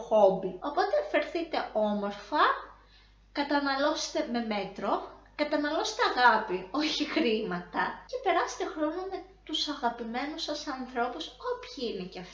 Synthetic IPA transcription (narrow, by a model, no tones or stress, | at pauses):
xobio̞po̞t̪e̞fe̞ɾθit̪e̞o̞mo̞ɾfɐ | kɐt̪ɐnɐlo̞se̥t̪e̞me̞me̞t̪ɾo̞kɐt̪ɐnɐlo̞se̥t̪eɐɣɐpio̞çixɾimɐt̪ɐce̞pe̞ɾɐse̥t̪e̞xɾo̞nome̞t̪usɐɣɐpime̞nusɐsɐnθɾo̞puso̞pçiineceɐf